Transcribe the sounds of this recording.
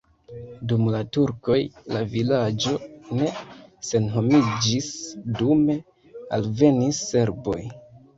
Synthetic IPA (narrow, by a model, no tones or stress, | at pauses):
dumlatuɾko̞jlavilad͡ʒo̞ne̞se̞nɦo̞mid͡ʒisdume̞ | a̰lve̞nisːe̞ɾbo̞j